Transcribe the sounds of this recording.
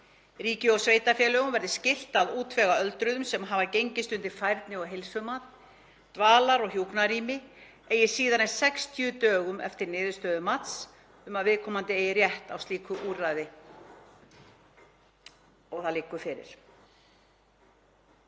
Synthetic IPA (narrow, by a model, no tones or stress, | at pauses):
riːcɪɔɣsveːjt̪afjɛːlœːɣʏmvɛɾðɪscɪl̥t̪aðuːt̪vɛɣaœlt̪ɾʏðʏmsɛmɦavacejɲcɪst̪ʏnt̪ɪɾ̥fajɾt̪nɪɔɣɦejlsʏmat̪ | t̪vaːlaɾɔɣçjuknaɾiːmɪ | eːjɪsiːðanɛsɛkst̪ʰjʏt̪œːɣʏmɛ̰ft̪ɪɾnɪːðɪ̥st̪œːðʏmat̪s | ʏmaðvɪðkʰɔːmant̪ɪejɪrjɛht̪awst̪iːkʰʏʔuːrajðɪ | ɔɣθaðlɪːkːʏfɪɾɪ̰ɾ̥